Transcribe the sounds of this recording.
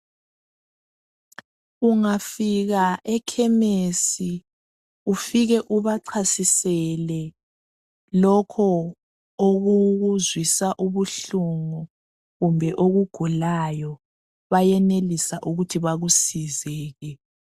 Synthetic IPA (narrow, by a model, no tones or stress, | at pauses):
uŋafiɣaʔɛkʰɛmesi | ufiɣɛʔuβaǀʰasisɛlɛ | lɔkʰɔ | oɣuɣuzwisaʔuβuɬuŋɔ | ɣumbʱɛʔoɣuɡ̥ʱulajɔ | βajɛnelisaʔuɣutʰiβaɣusizɛːɣɛ